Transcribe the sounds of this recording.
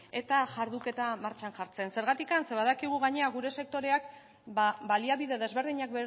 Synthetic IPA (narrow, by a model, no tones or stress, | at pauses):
e̞t̪aʝaɾðuke̞t̪amaɾt͡ʃanʝaɾt͡se̞nse̞ɾɣat̪ikanse̞βaðakiɣ̞uɣaɲeaɣuɾe̞se̞k̚t̪o̞ɾe̞ak̚ | baliaβiðe̞ðe̞zβe̞ɾð̞iɲak̚be